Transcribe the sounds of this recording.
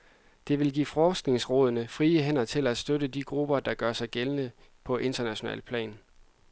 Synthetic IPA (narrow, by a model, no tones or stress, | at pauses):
d̥e̝ʋe̝lɡ̥ḭːfɒːsɡ̥ne̝ŋsʁɔ̽ːð̞ˠɐnəfʁiːəɦenɐt͡sʰe̝læd̥sd̥øɾədiɡ̥ʁub̥ɐd̥ɑ̈ɡ̥ɶɐsɑ̈ɪɡ̥elənə | pʰɒ̽ʔe̝nd̥ɐnæɕo̝nɛ̰ːlpʰlɛ̰ːn